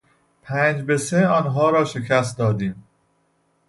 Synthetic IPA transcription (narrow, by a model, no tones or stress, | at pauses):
pʰæːnd͡ʒbe̞seɒːnɦɒːɾɒːʃe̞cʰæs̬t̪̚d̪ɒːd̪iːm